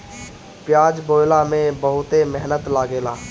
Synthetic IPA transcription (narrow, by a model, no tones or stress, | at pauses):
pjaːd͡ʒboːjlamẽbəɦʊt̪emɛɦnət̪laːɡeːlaː